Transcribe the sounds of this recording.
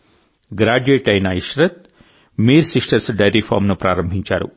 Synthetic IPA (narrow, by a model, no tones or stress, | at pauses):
ɡɾaːɖueːʈɐjnɐaiʃɾɐt̪̚ | miːɾsiʂʈɐɾsɖɐjɾipʰaːmnupɾaːɾɐmbʱiɲt͡ʃa̰ːɾṵ